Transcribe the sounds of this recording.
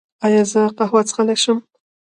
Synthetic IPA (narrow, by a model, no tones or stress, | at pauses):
ɑjɑzəqahwat͡sə̥xalaʃəm